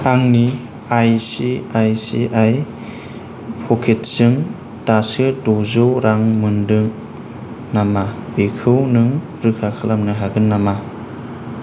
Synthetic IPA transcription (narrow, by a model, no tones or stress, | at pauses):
aŋni | ajsiajsḭʔaj | pʰɔkʰet̚sɯŋ | tasɯdɔzɯwɾaŋmɯndɯŋ | namabekʰɯwnɯŋ | ɾɯkʰakʰɯlamnɯɦaɡɯnːama